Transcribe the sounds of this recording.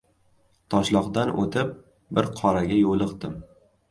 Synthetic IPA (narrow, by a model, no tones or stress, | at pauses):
t̪ʰɒʃlˠɒqd̪anʔo̰t̪ʰɪp̚ | bɪɾqʰɒɾaɡʲajolˠɨqd̪ɪm